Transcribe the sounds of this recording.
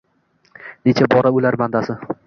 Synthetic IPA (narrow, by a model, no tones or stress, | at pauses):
net͡ʃʰabɒɾaʊlaɾmand̪asɪ